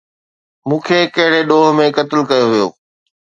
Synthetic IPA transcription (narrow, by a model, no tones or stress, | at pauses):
mũːkʰeːkɐɦɪɽ̤eɗoːɦmẽkɐt̪ɪlkɐjoʋijo̰ː